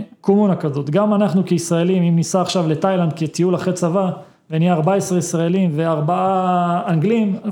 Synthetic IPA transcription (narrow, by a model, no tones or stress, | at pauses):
komunakazo̞t̪ɡamanaχnukeisʁae̞limimnisaːχʃavle̞tajland̪̚kit̪ijulaχet͡sava | venijaaʁbaesʁeisʁaelimveaʁbaaːŋɡlim